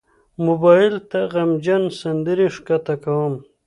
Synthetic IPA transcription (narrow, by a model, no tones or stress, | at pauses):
mʊbɑjɪlt̪aɣamd͡ʒansand̪əɾiʂkat̪akawəm